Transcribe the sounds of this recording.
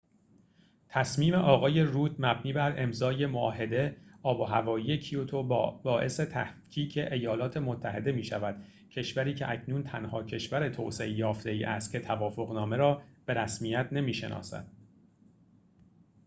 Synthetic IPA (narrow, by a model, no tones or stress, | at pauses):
t̪ʰæsmiːme̞ʔɒːɣɒːje̞ruːt̪mæbniːbæɾe̞mzɒːje̞moɒːɦe̞d̪e̞ɒːboɦævɒːiːje̞cʰiot̪ʰobɒːʔe̞se̞t̪ʰæhcʰiːcʰe̞ʔejɒːlɒːt̪ʰe̞mot̪ʰːæɦe̞̰d̪e̞miːʃævæd̪̥ | cʰe̞ʃvæɾiːcʰeʔæcʰnuːnt̪ʰænhɒːcʰe̞ʃvæɾe̞t̪ʰo̰ːse̞̰ʔejɒːft̪e̞iːʔæst̪̚cʰe̞t̪ʰævɒːfo̞ɣnɒːme̞ɾɒːb̥e̞ɾæsmijæt̪ʰne̞miːʃe̞̰nɒ̰ːsæ̰d̪̥